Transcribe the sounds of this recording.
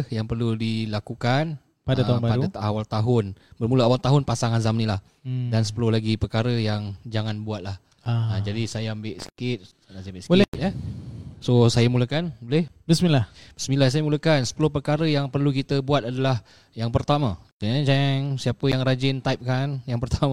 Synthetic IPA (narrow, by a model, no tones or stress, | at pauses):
hjaŋpərludilakukan | paat̪anbapaɾudat̪awalt̪aɦʊnbərmuləawalt̪aɦʊnpasaŋazamnĩlah | dansə̥pəlʊhlaɡipərkaɾəjaŋd͡ʒaŋanbuat̪̚lah | əd͡ʒadisajaəmbɪʔsə̥kɪt̪̚ | asaambɪʔsə̥bolɛjə | sosajamuləkanbolɛhbəsmilahbəsmĩlas̬ajamuləkansə̥pəlʊhpərkaɾəjaŋpərlukit̪əbuat̪̚adalah | jaŋpərt̪amã | ad͡ʒaŋsiapəjaŋɾad͡ʒɪnt̪ajp̚kanjaŋpərt̪ama